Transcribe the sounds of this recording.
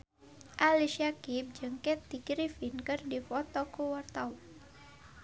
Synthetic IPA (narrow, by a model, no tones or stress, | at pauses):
ʔaliʃiakip̚d͡ʒɨŋkɛt̪ːiɡɾifinkɨrdifɔt̪ɔkuwart̪au